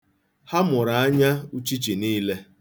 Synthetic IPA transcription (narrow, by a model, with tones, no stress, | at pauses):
ha˦mʊ˨ɾa˨a˦ɲa˦u˦t͡ʃi˦t͡ʃi˨niː˦le˦